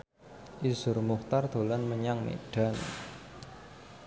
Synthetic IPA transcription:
ʔisʊrmuχt̪ard̪̥o̤lanməɲaŋmḛɖ̥a̤n

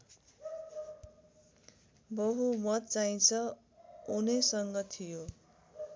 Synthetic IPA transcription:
bʌɦumʌt̪̚t͡saij̃nt͡sʰʌ | unʌsʌŋɡʌt̪ʰijo

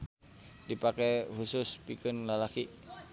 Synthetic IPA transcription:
dipakɛhusʊspikɨnlalaki

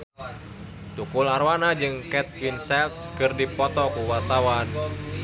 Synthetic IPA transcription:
t̪ukularwanad͡ʒɨŋkɛt̪̚winsɛlt̪̚kɨrdipɔt̪ɔkuwart̪awan

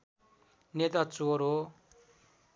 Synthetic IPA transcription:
net̪at͡soɾo

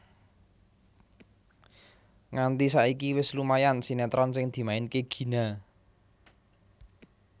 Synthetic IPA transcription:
ŋant̪isaikiwɪslumajansinɛt̪ɾɔnsɪŋd̪̥i̤maɪnkeɡ̥i̤na

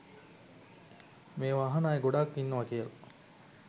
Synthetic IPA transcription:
meːʋaɦɐnaːeɡoɖakːinːɐʋɐkijəlɐ

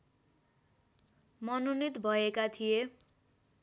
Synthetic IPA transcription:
mʌnunit̪bʱʌekat̪ʰije

